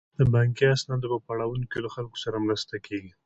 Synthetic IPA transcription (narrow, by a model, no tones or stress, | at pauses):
d̪əbɑŋkiasnɑd̪opəpaɽawunkelaxalko̥saɾamɾast̪akʰeɡi